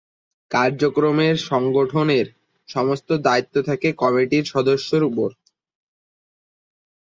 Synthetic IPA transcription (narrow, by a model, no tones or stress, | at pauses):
kaɾd͡ʑokɾomeɾʃɔŋɡoʈʰoneɾ | ʃɔmost̪od̪ait̪ːot̪ʰakekɔmiʈiɾʃɔd̪oʃːoɾupoɾ